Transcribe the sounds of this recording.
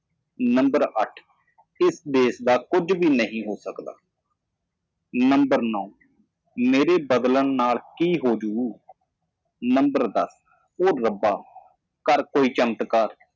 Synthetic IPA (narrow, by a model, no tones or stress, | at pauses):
nəmbəɾəʈʰ | ɪsd̪eːsd̪aːkʊd͡ʒbiːnəɦĩːɦoːsəkd̪a̰ː | nəmbəɾnɔː | meːɾeːbəd̪ləɳnaːlkiːɦoːd͡ʒuː | nəmbəɾd̪ə̰s | oːɾːəbaː | kəɾkoːiːt͡ʃəmt̪kəɾ